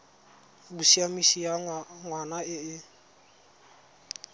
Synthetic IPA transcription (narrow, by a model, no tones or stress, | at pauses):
busiamisijaŋwanaɪɪ